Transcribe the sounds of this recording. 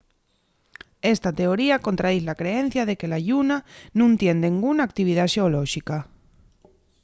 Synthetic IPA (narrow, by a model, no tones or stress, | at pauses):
est̪at̪e̞oɾiako̞nt̪ɾaðiθlakɾeen̟θjaðekelaʎunanũnt̪je̞nd̪eŋɡunaːk̚t̪iβ̞ið̞aʃeoloʃika